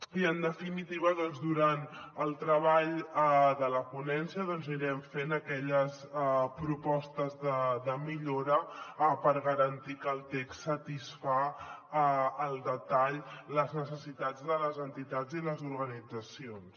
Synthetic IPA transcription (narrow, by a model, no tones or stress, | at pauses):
iənd̪əfinit̪iβəðɔnzd̪uɾanəlˠt̪ɾəβaʎðələpunɛnsiəðɔnziɾɛɱfenəkɛʎəs | pɾupɔst̪əzðəðəmiʎoɾəpəɾɣəɾənt̪ikəːlˠt̪eksːət̪isfa | əlˠd̪ət̪aʎləznəsəsit̪ad͡zðələzənt̪it̪ad͡ziləzuɾɣənid͡zəsions